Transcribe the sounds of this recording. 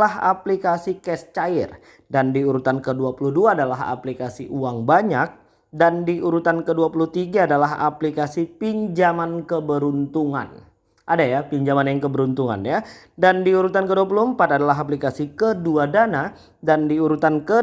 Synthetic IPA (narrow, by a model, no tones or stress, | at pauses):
laɦa̰plikasikɛst͡ʃaḭr | dandiuɾut̪ankəduapuluduaːdalaɦa̰plikasiʔuaŋbaɲak̚ | dandiʔuɾut̪ankəduapuluht̪iɡaːdalaɦa̰plikasipiɲd͡ʒamankəbəɾunt̪uŋa̰n | ʔadajapiɲd͡ʒamanjaŋkəbəɾunt̪uŋa̰nja | dandiuɾut̪ankəduapuluəmpat̪adalaɦaplikasikəduadana | dandiuɾut̪ankə